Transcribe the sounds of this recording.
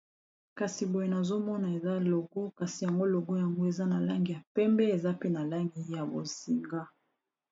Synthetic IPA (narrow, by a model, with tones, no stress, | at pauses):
ka˨si˨bo˨je˨na˨zo˦mɔ˦na˨e˨za˦lo˨ɡo˦ka˨si˨ja˨ŋɡo˦lo˨ɡo˦ja˨ŋɡo˦e˨za˦na˨la˦ŋɡi˨ja˨pɛ˦mbɛ˦e˨za˦pe˦na˨la˦ŋɡi˨ja˨bo˨si˨ŋɡa˦